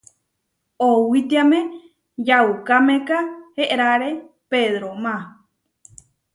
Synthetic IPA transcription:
owit̪iamẽ | d͡ʒaukamẽkaheʔɾaɾe | peðɾomã

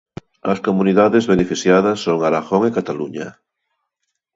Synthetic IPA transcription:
ɐskomuniðaðezβenefiθjaðɐsːoŋaɾaɣoŋekat̪aluɲa

